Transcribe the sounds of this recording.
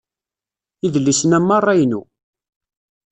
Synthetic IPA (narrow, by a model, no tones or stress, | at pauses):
iðlːisənæmːɑrˤːɑjnṵ